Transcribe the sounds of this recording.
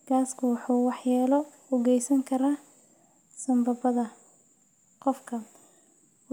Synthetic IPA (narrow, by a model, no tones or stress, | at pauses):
ɡ̥aːskʰʊwɑħuːwɑħjaːlɔ | ʊɣɛjsɐŋkʰɐɾaː | sɐmbɐbɐðɐ | qɔfkʰɐ